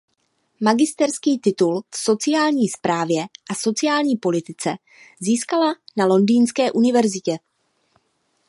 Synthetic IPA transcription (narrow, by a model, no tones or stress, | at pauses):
maɡɪst̪ɛɾskiːt̪ɪt̪ulfso̞t͡sɪjaːlɲiːspɾaːvjɛʔaso̞t͡sɪjaːlɲiːpo̞lɪt̪ɪt͡sɛ | ziːskalanalo̞ndiːnskɛːʔunɪvɛɾzɪcɛ